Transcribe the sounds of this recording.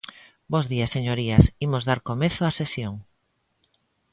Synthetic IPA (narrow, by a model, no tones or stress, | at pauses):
bozðiɐseɲoɾiɐsimozðaɾkomeθoasesjoŋ